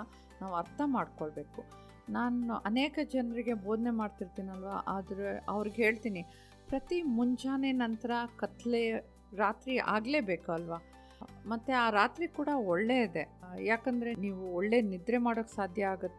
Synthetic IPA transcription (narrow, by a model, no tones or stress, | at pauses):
naːʋɐɾt̪ʰɐmaːɖkoɭbe̞ːku | naːnɐneːkɐd͡ʒɐnɾiɡe̞boːd̪ne̞maːɖt̪iɾt̪iːniɐlʋaʔaːd̪ɐɾuɐ̰ʋɾiɡɦe̞ːɭt̪iːni | pɾɐt̪imuɲd͡ʒaːne̞nɐnt̪ɐɾɐkɐt̪le | ɾaːt̪ɾiʔa̰ːɡle̞ːbe̞ːkuɐlʋaː | mɐt̪ːeaːɾaːt̪ɾikuːɽɐɔɭːe̞id̪e̞jaːkɐnd̪ɐɾe̞niːʋuɔɭːe̞nid̪ɾemaːɽoːksaːd̪ʱjɐaːɡɐt̪ːe